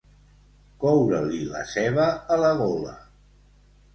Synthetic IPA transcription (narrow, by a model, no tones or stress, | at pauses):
kɔwɾəlilə̰sɛβəːləɣɔlə̰